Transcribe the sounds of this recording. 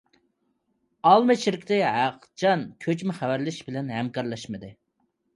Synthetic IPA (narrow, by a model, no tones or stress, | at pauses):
ɑlˠmɨt͡ʃʰiɾɪkʲt̪ɪɦæq | t͡ʃʰɑnkʲʰøt͡ʃmɪχæwæɾlɪʃbɪlɛnɦɛmkʰɑɾlˠɑʃmɨd̪ɨ